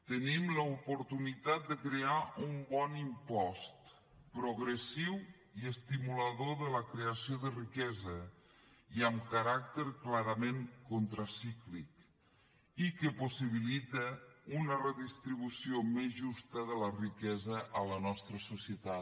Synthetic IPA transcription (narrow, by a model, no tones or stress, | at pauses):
t̪ənimləupuɾt̪unit̪at̪̚d̪əkɾeaʔumbɔnimpɔst̪ | pɾuɣɾəsiw | iəst̪imuləðoðələkɾeəsioðərikɛzə | iəmkəɾak̚t̪əɾklaɾəmeŋkont̪ɾəsiklik | ikəpusiβ̞ilit̪əunərəðist̪ɾiβ̞usiomezʒust̪əðələrikɛzəʔələnɔst̪ɾəsusiət̪a